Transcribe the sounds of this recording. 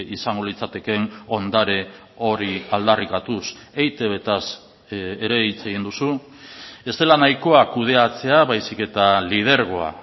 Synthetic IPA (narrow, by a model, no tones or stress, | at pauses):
isaŋɡo̞lit͡sat̪e̞ke̞no̞nd̪aɾe̞ | o̞ɾiald̪arikat̪us | ejt̪e̞βe̞t̪as | eɾe̞it͡se̞ɣ̞ind̪usu | e̞st̪e̞lanajko̞akuð̞e̞at͡se̞aβajsike̞t̪alið̞e̞ɾɣo̞a̰